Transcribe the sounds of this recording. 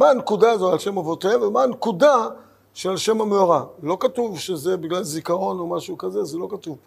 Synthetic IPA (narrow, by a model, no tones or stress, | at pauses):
maːnkudaːzoalʃe̞mavoteemvemaːnkuda | ʃelʃe̞mameoʁalo̞katuvʃezebiɡlalzikaʁo̞no̞maʃukazezelo̞katuv